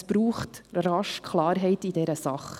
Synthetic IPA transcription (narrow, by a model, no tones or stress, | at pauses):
sb̥ɾuːχtrɑʃkʰlɑːɾɦɛɪtid̥ɛɾəsɑχ